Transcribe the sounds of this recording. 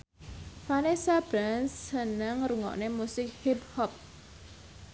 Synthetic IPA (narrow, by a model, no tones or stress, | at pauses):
fanesab̥ɾansːənəŋɾuŋɔ̰ʔnemusɪk̚hip̚hɔp̚